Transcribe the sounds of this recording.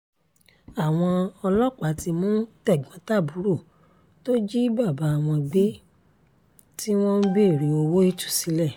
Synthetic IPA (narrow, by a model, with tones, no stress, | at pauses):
a˨w̃ɔ̃˧ɔ˧lɔ˦k͡pa˨˦ti˧mũː˦tɛ˦˨ɡ͡bɔ̃˨˦ta˦˨bu˨˦ɾu˦˨ | to˦d͡ʒi˦ba˦˨ba˨˦a˦˨w̃ɔ̃˧ɡ͡be˦ | ti˦w̃ɔ̃˦n̩˦bi˦˨ɾi˨˦o˧wo˦i˦˨tu̥˦˨si˨˦lɛ˦˨